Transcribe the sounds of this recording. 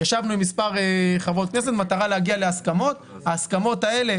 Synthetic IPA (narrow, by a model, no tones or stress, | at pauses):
jaʃavnuimispaʁeχavot̪̚kne̞set̪mat̪aʁaleaɡiale̞askamo̞t̪ | haːskamo̞t̪aele̞